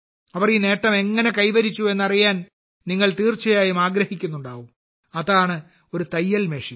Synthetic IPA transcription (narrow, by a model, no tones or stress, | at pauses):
ɐʋɐrine̞ːʈːɐme̞ŋːɐne̞kɐjʋɐɾit͡ɕːue̞nːɐrijaːn | niŋːɐɭt̪iːrt͡ɕɐjaːjumaːɡɾɐhikʲːun̪ːuɳɖaːʋum | ɐðaːɳɨ | o̞ɾut̪ɐjːɐlmeːʂi